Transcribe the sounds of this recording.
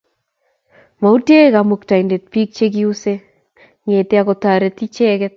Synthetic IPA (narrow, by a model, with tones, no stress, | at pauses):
ma˨u˦te˦ka˨mu˨k̚ta˨inde˨t̚pi˦k̚t͡ʃe˦k̬i˦u˦se˦ | ŋe˨te˦a˨kɔ˧ta˨ɾe˦ti˦t͡ʃɛ˦kɛ˦t̚